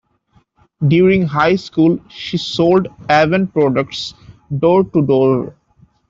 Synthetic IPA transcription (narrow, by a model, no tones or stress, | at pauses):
ɖjuːɾĩŋɦaɪskuːlʃisoːlɖæʋə̃npɾɔɖək̚ʈsɖoːɾʈuɖɔːɾ